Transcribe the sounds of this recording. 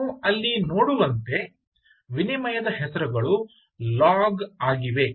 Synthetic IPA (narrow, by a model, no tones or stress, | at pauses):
uɐlːinoːɽuʋɐnt̪e̞ | ʋinimɐjɐd̪ɐɦɛsɐɾuɡɐɭu | laːɡaːɡiʋe̞